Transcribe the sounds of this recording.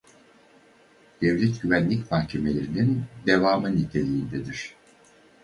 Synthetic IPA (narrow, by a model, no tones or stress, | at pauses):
d̪̥evlʲɛt̪ɟyvænlʲicmahcʰe̞me̞lʲe̞ɾinind̪evaːmɯnit̪ʰe̞lʲijːnd̪ɛd̪iɾ̝̥